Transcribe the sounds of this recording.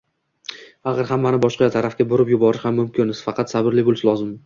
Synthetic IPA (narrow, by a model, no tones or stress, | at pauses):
ɑχɨɾhamːanɪbɒʃqɑjat̪ʰaɾafkʲaboɾɪpjʊbɒɾɪʃhamːʊmkʲʰɪnɪz̥fɑqʰɑt̪sabɪɾlɪbolˠsalˠɒzɪm